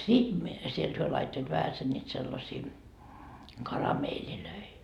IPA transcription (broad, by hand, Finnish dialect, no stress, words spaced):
sit mie sielt hyø lɑitːoit ʋæhæsen nʲiːt selːɑsiː kɑrɑmeːliløi